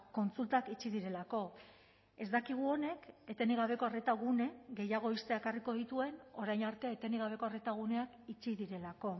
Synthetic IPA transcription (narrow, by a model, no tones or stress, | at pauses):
ko̞nt͡sult̪akit͡ʃiðiɾe̞lako̞ | e̞zd̪akiɣ̞uo̞ne̞ke̞t̪e̞niɣ̞aβe̞ko̞aret̪aɣune̞ɣe̞jaɣ̞o̞ist̪eaekariko̞ð̞it̪ue̞no̞ɾajnaɾt̪e̞aet̪e̞niɣ̞aβ̞e̞ko̞are̞t̪aɣ̞une̞akit͡ʃiðiɾe̞lako̞